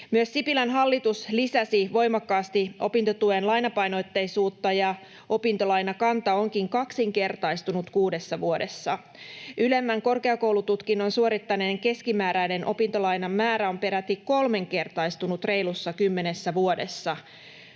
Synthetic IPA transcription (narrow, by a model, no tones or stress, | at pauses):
myøsːipilɑnɦɑlːit̪uslisæsiʋo̞jmɑkːɑːst̪iʔo̞̰pint̪o̞t̪ue̞nlɑjnɑpɑjno̞t̪ːejsuːt̪ːɑjɑ | ʔo̞pint̪o̞lɑjnɑkɑnt̪ɑo̞ŋkiŋkɑksiŋke̞rt̪ɑjst̪unut̪kuːde̞sːɑʋuode̞sːɑ | yle̞mːæŋko̞rkeɑko̞wlut̪ut̪kinːonsuo̞ɾit̪ːɑneːŋke̞skimæːɾæjne̞nʔo̞̰pint̪o̞lɑjnɑmːæːɾæo̞mpe̞ɾæt̪ːikːo̞lme̞ŋke̞rt̪ɑjst̪unut̪re̞jlusːɑkymːe̞nesːæʋuo̞de̞sːɑ